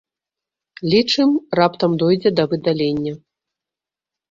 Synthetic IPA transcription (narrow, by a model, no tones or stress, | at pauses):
lʲit͡ʂɨmrapt̪ɐmd̪ɔjd͡zʲɛd̪ɐvɨd̪alʲenʲːɐ